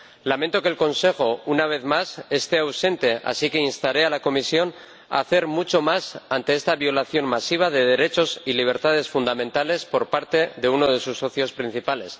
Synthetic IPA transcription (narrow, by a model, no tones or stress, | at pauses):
lament̪o̞keːlko̞nse̞xo̞unaβ̞e̞θmase̞st̪e̞awsẽ̞nt̪e̞ʔa̰sike̞inst̪aɾe̞alako̞misjo̞n | a̰θe̞ɾmut͡ʃo̞masant̪eest̪aβjo̞laθjo̞nmasiβ̞aðe̞ðe̞ɾe̞t͡ʃo̞siliβ̞e̞ɾt̪að̞e̞sfund̪amẽ̞nt̪ale̞spo̞ɾpaɾt̪e̞ðe̞uno̞ð̞e̞susːo̞θjo̞spɾin̟θipale̞s